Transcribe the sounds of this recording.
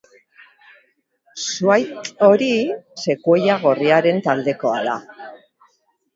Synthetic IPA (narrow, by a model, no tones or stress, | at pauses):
suajt̪o̞ɾise̞kuejaɣ̞o̞riaɾe̞nt̪ald̪e̞ko̞a̰ða̰